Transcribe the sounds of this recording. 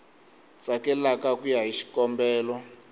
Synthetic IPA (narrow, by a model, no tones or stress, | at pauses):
t͡sakɛlakakujaɦiʃi̥kɔmbɛːlɔ